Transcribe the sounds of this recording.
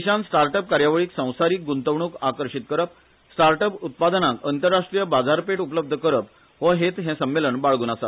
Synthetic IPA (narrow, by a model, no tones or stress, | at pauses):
iɕãnsʈaɾʈəp̚kaɾjaʋɭiːksə̃w̃saɾiːk̚ɡunt̪əʋɳuːkakəɾɕit̪kəɾəp̚ | sʈaɾʈəput̪̚pad̪ənãŋkənt̪əɾːaʂʈɾijəbad͡zaɾpeʈupələb̚d̪ʱəkəɾəp̚ | ʋəɦet̪ɦɛ̃səmːeləɳbaɭɡuːnasa